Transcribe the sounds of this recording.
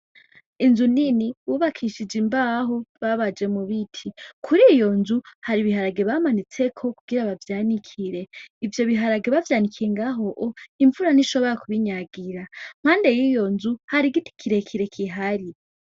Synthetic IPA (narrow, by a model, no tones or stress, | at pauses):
inzuniniwuβakʰiʃid͡ʒimbaɦo̞βaβad͡ʒe̞muβitʰikʰuɾijo̞nzuhaɾiβihaɾaɡe̞βamanit͡se̞kʰo̞kuɡiɾaβavjaːnikʰiɾe̞ivjo̞βiɦaɾaɡe̞βavjaːnikʰiɾeŋɡaɦo̞ʔoiɱvuɾaniʃo̞βo̞ɾakuβiɲaɡiɾam̥haːnde̞jiːjo̞nzuhaɾiɡiti̥kʰiɾe̞kʰiɾe̞kʰiɦaɾi